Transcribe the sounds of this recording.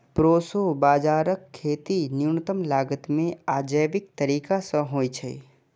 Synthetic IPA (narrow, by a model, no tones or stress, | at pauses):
pɾoːsobaːd͡ʒaːɾəkʰːeːt̪injunət̪əmlaːɡət̪mẽaːd͡ʒəjʋɪk̚t̪əɾiːkasə̃ɦoːjt͡ʃʰəḭ